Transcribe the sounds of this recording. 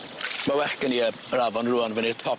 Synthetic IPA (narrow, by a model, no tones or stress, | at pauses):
mawɛkəniə | ɾavɔnruːanvənirtʰɔ